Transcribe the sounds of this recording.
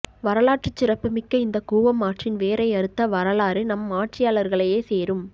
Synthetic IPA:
ʋɐɾɐlaːʈrɯt͡ʃːɪrɐpːɯmɪkːɐɪnd̪ɐkuːʋɐmːaːʈrɪnʋeːɾɐɪɐɾɯt̪ːɐʋɐɾɐlaːɾɯnɐmːaːʈrɪjaːɭɐɾɣɐɭɐjeːseːɾɯm

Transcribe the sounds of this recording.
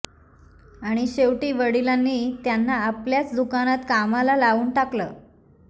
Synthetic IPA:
aɽ̃iɕeʋʈiːʋəɽilanːiːt̪janːaːpljat͡sd̪ukanat̪kamalalaʋuːnʈakləː

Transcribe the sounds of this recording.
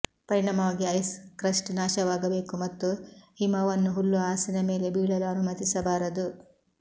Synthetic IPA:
pɐɾiɳɐmɐaːɡiɐjskɾɐʂʈnaːʃɐʋaːɡɐbe̞ːkumɐt̪ːuhimɐʋɐnːuɦulːuaːsinɐme̞ːle̞biːɭɐlɐnumɐt̪isɐbaːɾɐd̪u

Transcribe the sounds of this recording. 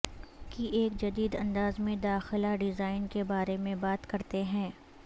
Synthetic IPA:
kiʔeːkd͡ʒɐd̪iːd̪ɐ̃nd̪aːzmẽd̪aːxɪlaɖɪzaːɪnkebaːɾemẽbaːt̪kɐɾt̪eɦɛ̃ː

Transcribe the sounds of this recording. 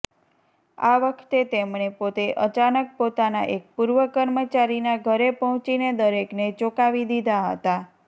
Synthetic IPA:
a̰ʋəkʰt̪et̪emɳepot̪eʔət͡ʃanək̚pot̪ana̰ʔek̚puɾʋəkəɾmət͡ʃaɾinaɡʱəɾepɔɦɔ̃t͡ʃined̪əɾeknet͡ʃokaʋid̪id̪ʱaɦə̰t̪a

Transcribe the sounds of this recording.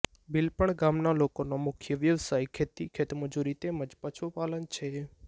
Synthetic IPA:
bɪlpəɳɡamnalokonomʊkʰjəʋjəʋsajkʰet̪ikʰet̪məd͡ʒuɾit̪emə̃d͡ʒpət͡ʃʰupalənt͡ʃʰe

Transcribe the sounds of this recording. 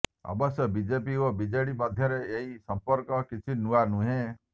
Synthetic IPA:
ɔ̰bɔsjɔbid͡ʒepiobid͡ʒeɽimɔd̪ʱjɔɾeːɦisɔmpɔɾkɔkit͡ʃʰinuanũɦẽ

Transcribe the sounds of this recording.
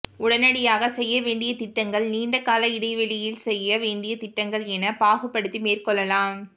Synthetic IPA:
ʊɽɐnɐɽɪjaːɣɐsɛjːɐʋeːɳɖɪjɐt̪ɪʈːɐŋɡɐɭniːɳɖɐkːaːlɐɪɽɐɪʋɛlɪjɪlsɛjːɐʋeːɳɖɪjɐt̪ɪʈːɐŋɡɐɭɛnɐpaːɣɯpːɐɽɯt̪ːimeːrkɔɭːɐlaːm

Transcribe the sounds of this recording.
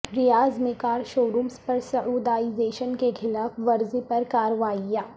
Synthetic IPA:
ɾɪjaːzmẽkaːɾʃoːɾuːmspɐɾsɐʔuːd̪aːizeːʃənkexʰɪlaːfʋɐɾzepɐɾkaːɾəʋaːijaː

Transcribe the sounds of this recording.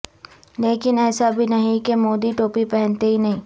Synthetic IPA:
leːkɪnɛːsabʱinɐɦĩkemoːd̪iʈoːpipɛɦɛ̃nt̪eɦinɐɦĩː

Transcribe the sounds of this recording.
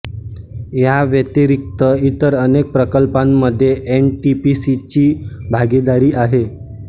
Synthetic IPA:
jaʋjət̪iɾik̚t̪əit̪əɾənek̚pɾəkəlpãmːəd̪ʱːjeʔenʈipisit͡ɕiːbʱaɡid̪aɾiːʔaɦe

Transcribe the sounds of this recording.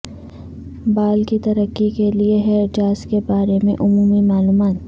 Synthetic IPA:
baːlkit̪ɐɾəkːikelieɦɛd͡ʒaːskebaːɾemẽʔʊmuːmimaːluːmaːt̪̚

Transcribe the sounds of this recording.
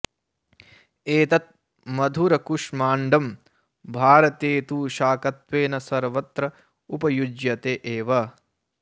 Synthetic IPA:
eːt̪ɐt̪̚ | mɐd̪ʱuɾɐkuʂmaːɳɖɐm | bʱaːɾɐt̪eːt̪uːʃaːkɐt̪ʋeːnɐsɐɾʋɐt̪ɾɐ | upɐjud͡ʒjɐt̪eːʔeːʋɐ

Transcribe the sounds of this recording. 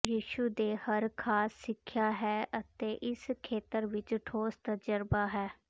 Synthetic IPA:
jiːʃuːd̪eːhəɾkʰaːsːɪkʰːjaːɦɛːət̪eːʔɪskʰeːt̪əɾʋɪt͡ʃʈʰoːst̪əd͡ʒəɾbaːɦɛː

